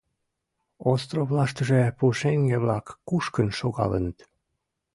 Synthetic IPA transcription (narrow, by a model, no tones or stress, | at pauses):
ost̪roβlɑʃt̪əʒepuʃeŋɡeβlɑkːuʃkənʃoɣɑ̰lə̰nət̪